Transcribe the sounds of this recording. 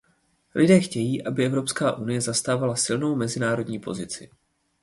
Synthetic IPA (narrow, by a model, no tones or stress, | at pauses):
lʔɪdɛːxcɛjiːʔabɪʔɛvɾo̞pskaːʔunɪjɛzast̪aːvalasɪlno̞wmɛzɪnaːɾo̞dɲiːpʰo̞̰zɪt͡sɪ̰